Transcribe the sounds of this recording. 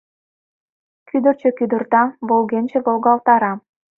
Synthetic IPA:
kyd̪ərt͡ɕø̆kyd̪ə̆rt̪ɑβolɣenʲt͡ɕĕβolɣɑlˠt̪ɑɾɑ

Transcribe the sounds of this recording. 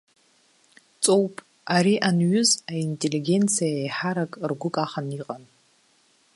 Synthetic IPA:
t͡sʼowpʼ | aɾiʔanɥʊzaintʼeliɡʲe̞nt͡sʰijaejħaɾakʼrɡʷʊkʼaχaniqʼan

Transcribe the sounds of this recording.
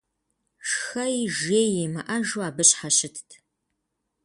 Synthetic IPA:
ʂxɐjʒeːjemɐ̰ʔɐʒuaːbɨɕħaɕɪtʰtʰ

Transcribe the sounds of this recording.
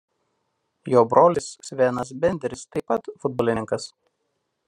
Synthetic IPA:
joːbɾoːlʲɪssʲʋʲeːnɐs̬bʲɛnʲd̪ʲɛɾʲɪst̪ɐɪpɐt̪fʊd̪̚bɔlʲɪnʲɪŋkɐs

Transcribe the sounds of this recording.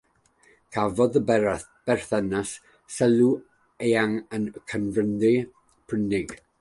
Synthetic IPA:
kʰavɔðəbɛɾaθ | b̥ɛr̥θɛnasː | ɛlu | eːaŋənkʰənvəndɪ | pʰrənɪɡ̥

